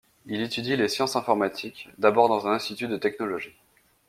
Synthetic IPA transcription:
ilet̪yd̪ilesjɑ̃sɛ̃fɔʁmat̪ʰikd̪abɔʁd̪ɑ̃zɛ̃nɛ̃st̪it̪yd̪ət̪ɛknɔlɔʒi

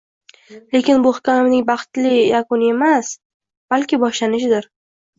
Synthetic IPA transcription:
le̞kʲɪnbʊhɪkʲamɪmnɪŋbɑχt̪lɪjakʊnɪe̞mas | b̥alkʲɪbɒʃlanɪʃɪd̪ɪɾ

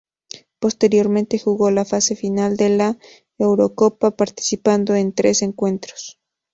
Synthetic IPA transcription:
po̞st̪e̞ɾjo̞ɾmẽnt̪e̞xuɣo̞lafase̞finald̪e̞la | ewɾo̞ko̞papaɾt̪i̥sipand̪o̞e̞nt̪ɾe̞se̞ŋkwe̞nt̪ɾo̥s

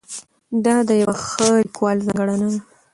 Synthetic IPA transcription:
d̪ɑd̪əjawaxəlikwɑlzɑŋɡaɽanad̪a

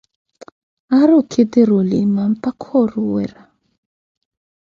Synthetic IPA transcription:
aɾukʰid̪iɾulimampakʰɔɾuwɛ̰ɾa

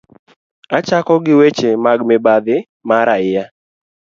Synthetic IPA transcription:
at͡ʃakɔɡɪwet͡ʃemaɡmɪbad̪ɪ | maɾaɪja

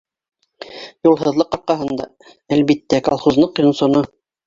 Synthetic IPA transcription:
julˠɦɤ̆ðlˠɤqɑɾqɑɦɤ̆nd̪ɑ̰ | ælβit̪ːækɑlˠχuznˠɤqjŏnsŏno

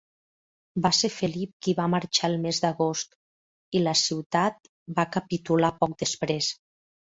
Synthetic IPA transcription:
basefəlip̚kiβaməɾt͡ʃaelˠmezd̪əɣost̪ | iləsiwt̪at̪̚ | bakəpit̪ulapɔk̚d̪əspɾes

